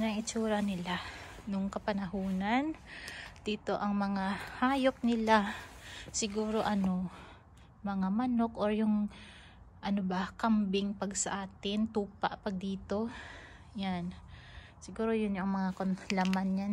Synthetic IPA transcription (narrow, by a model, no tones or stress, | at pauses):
nɐʔɪt͡ʃuːɾɐnɪlanʊŋkɐpɐnɐɦuːnand̪̥iːt̪o̞ʔɐŋmɐŋahaːjop̚nɪla | sɪɡuːɾo̞ʔɐno̞ | mɐŋamɐno̞kʔoɹjʊŋ | ʔɐnobakɐmbɪŋpɐɡsɐʔaːt̪ɪnt̪uːpa̰ʔpɐɡ̚d̪iːt̪o̞ | jan | sɪɡuːɾo̞jʊnɲoʔɐŋmɐŋakonlamanɲan